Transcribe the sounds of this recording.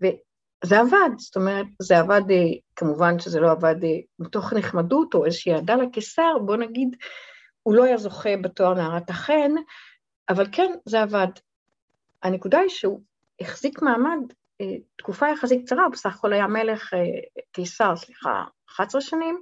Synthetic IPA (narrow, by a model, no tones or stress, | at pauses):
ve̞ | ze̞avadsto̞me̞ʁet̚zeavadekamuvanʃezelo̞avademito̞χneχmaduto̞ezeʃiːadalakesaʁbo̞naɡid | ulo̞ajazo̞χebatoaʁnaaʁataχen | avalke̞nzeavad | anekudaiʃeu | eχz̥ikmaːmad | etkufajaχasik̚t͡saʁaubesaχḁko̞lhajame̞le̞χekejsaʁsliχa̰ | χat͡sʁaʃanim